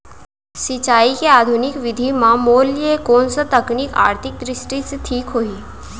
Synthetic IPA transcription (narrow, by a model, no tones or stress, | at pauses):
sɪt͡ʃaːikeaːd̪ʱunɪkʋɪd̪ʱimãmoːliekoːnsət̪əknika̰ːɾt̪ʰɪk̚d̪ɾɪsʈiseʈʰiːkɦoiː